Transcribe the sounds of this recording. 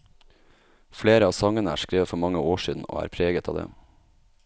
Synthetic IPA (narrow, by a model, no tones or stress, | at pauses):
fɽeːɾəɑːsɑŋənəæ̰ːʃkɾeːʋəfɔɾmɑŋəoːʃiːd̪n̩ʔo̰ːæ̰ːɾpʰɾeːɡət̪ʰɑːd̪ḛː